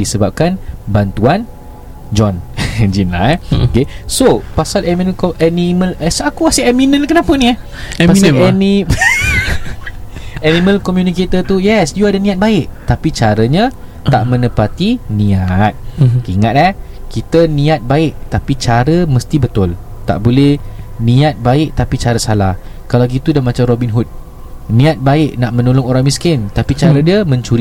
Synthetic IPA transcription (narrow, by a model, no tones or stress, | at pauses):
disəbap̚kanbant̪uan | d͡ʒɔnd͡ʒina̰jokesopasalɛminə̃kʔɛnimə̃lsakukasɪɛminə̃nkənapənia | paaɛni | ɛnĩmə̃lkɔmjuniket̪ət̪ujɛsjuadanĩat̪̚baɪʔt̪apit͡ʃaɾəɲã | t̪aʔmə̃nəpat̪inĩat̪̚iŋat̪̚ɛhkit̪ənĩat̪̚baɪʔ̚t̪apit͡ʃaɾəməst̪ibət̪ʊl | t̪a̰ʔbolɛhnĩat̪̚baɪʔ̚t̪apit͡ʃaɾəsalah | kalaɡit̪udamat͡ʃamrobinɦut̪̚ | nĩat̪̚baɪʔnaʔmə̃nolʊŋoɾaŋmiskɪnt̪apit͡ʃaɾədiəmə̃ɲt͡ʃuɾi